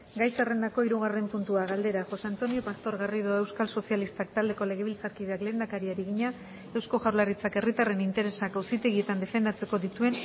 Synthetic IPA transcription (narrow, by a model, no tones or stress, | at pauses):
ɡajsare̞nd̪ako̞iɾuɣare̞mpunt̪uaɣald̪e̞ɾaxo̞sant̪o̞nio̞past̪o̞ɾɣarið̞oe̞wskalso̞sialist̪ak̚t̪ald̪e̞ko̞le̞ɣ̞e̞βilt͡saɾkiðeakle̞ːnd̪akaɾiaɾiɣiɲa | e̞wsko̞ʝawlarit͡sake̞rit̪are̞nint̪e̞ɾe̞sakawsit̪e̞ɣie̞t̪and̪e̞fe̞nd̪at͡se̞ko̞ðit̪ue̞n